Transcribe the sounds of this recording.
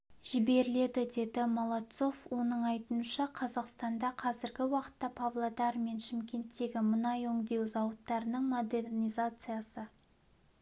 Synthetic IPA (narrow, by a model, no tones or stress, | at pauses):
ʒ̥ɪbe̞ɾɪle̞d̪ɪd̪e̞d̪ɪmolˠɑt̪so̞fwo̞nəɴɑjt̪unʃɑqʰɑzɑqst̪ɑnd̪ɑqʰɑzɪɾɡʲɪwɑqə̥t̪ːɑpʰavlˠad̪ɑɾme̞nʃɪmkʲe̞nt̪ːe̞ɡʲɪmʊnɑjɵŋd̪e̞wzɑwət̪ːɑɾənəɴmo̞d̪e̞rnijzat̪sɨjasə